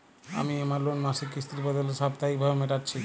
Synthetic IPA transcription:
a̰miemaɾlonmaʃikːɾist̪ɾibɔd̪oleʃab̚t̪aɦik̚bʱabemeʈaɾt͡ɕʰi

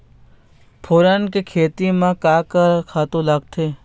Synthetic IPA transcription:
pʰoːɾənkekʰeːt̪imãkaːkəɾkʰaːt̪õlɐɡ̚t̪ʰeː

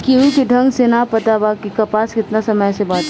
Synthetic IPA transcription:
kiɦukiɖʱɐ̃ŋɡsenapɐt̪abakikɐpaːskɪt̪nasɐməjsebaːt̪

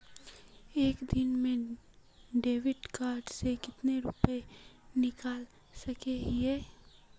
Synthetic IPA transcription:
eːkd̪ɪnmẽ | ɖeːʋɪɖkaːɾɖsekɪt̪neɾʊpenɪkaːl | sɐkeɦiɛː

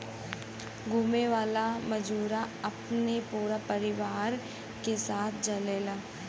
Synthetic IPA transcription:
ɡʱuːmeʋaːlamɐd͡ʒuːɾaɐpnepuːɾapɐɾɪʋaːɾ | kesaːt̪ʰd͡ʒɐleːlaː

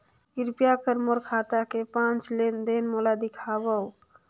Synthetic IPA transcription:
iɾpijakəɾmoɾkʰat̪akepãnt͡ʃlend̪enmolad̪ikʰaʋə

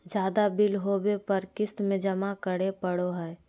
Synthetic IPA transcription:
d͡ʒjaːd̪abɪlɦoːbepɐɾkɪst̪mẽd͡ʒɐmakəɽepəɽoɦɛː

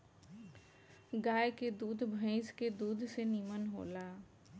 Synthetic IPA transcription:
ɡaːjked̪uːd̪ʱbʱə̃ɪ̃sked̪uːd̪ʱseniːmənɦo̰ːlaː

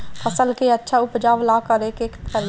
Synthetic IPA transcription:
pʰəsəlkeətːʃʰaʊpd͡ʒaːʋlaːkəɾeːkeːkəɾ

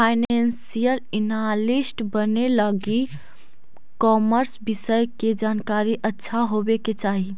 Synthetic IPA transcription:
pʰaɪnensijəlɪnalisʈbəneləɡi | kɔːməɾsbɪsəjked͡ʒaːnkaɾiʔətːʃʰaɦobeket͡ʃaːɦi

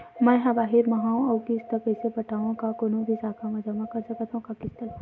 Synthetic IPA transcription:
mɛ̃ːɦɐbaːɦɪɾmɐɦaõɔːkist̪əpɛːsepɐʈaːõkakoːnõbʱisaːkʰamɛ̃d͡ʒɐmakɐɾsɐkat̪ʰɦũkakɪst̪əl

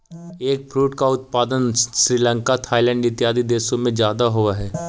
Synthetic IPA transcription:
eːk̚pʰɾuːʈkaʊt̪̚paːd̪ənsɾiːlə̃ŋkat̪ʰaːɪlɛ̃ːɳɖɪt̪jaːd̪id̪eːʃõmẽd͡ʒjaːd̪aɦʊaɦɛː

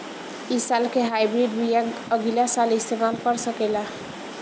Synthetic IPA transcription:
isalkeɦajbɾiɖbijaɡəɡilasalist̪emalkʌɾsəkela

